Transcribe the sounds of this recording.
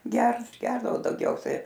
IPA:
ˈɡʲɛrt ˈɡʲɛrdɐʋoː dɐʊɡʲˈɛʊsʲɛɪ

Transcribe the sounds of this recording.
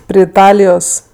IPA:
pʲrʲɪ ɪˈtɑːlʲɪjoːs

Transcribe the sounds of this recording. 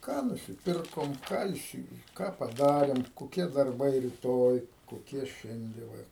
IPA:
ˈkɑː nʊsʲɪˈpʲɪrkoːm ˈkɑː iːˈsʲɪ ˈkɑː pɐˈdɑːrʲeːm koːˈkʲiɛ dɐrˈbɐɪ rʲɪˈtoːj koːˈkʲiɛ ˈʃʲɛnʲdʲɛ ˈʋɐ

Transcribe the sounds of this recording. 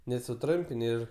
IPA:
nʲɛs sʊˈtrʊmʲpʲɪnʲ ˈɪr

